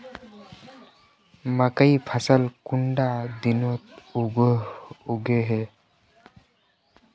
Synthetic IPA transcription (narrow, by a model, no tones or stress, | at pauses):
makəjpʰasəlkuɳɖad̪inɔt̪̚oɡ | uɡeɦe